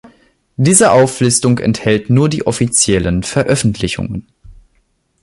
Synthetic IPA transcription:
d̥iːzəʔaʊflʏstʊŋkɛ̰nthɛltnuːɐdiːʔɔfit͡sjɛlənfɛɐʔœfn̩tʰlɪçʊ̰ŋə̰n

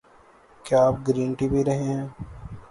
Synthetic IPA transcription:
kjaaːp̚ɡɾĩːɳʈibʱiɾɐɦẽɦɛ̃ː

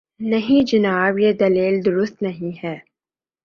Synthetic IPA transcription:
nɐɦĩd͡ʒɐnaːbjed̪ɐleːld̪ʊɾʊst̪nɐɦĩɦɛː

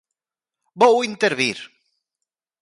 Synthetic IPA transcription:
bowint̪eɾβiɾ

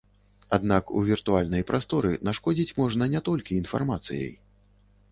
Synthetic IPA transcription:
ad̪nakṵvʲirt̪ualʲnɐjpɾʔast̪ɔɾɨnaʂkɔd͡zʲit͡sʲmɔʐnɐnʲɛt̪ɔlʲkʲiːn̪fa̰rmat̪sɨjɐ̰j

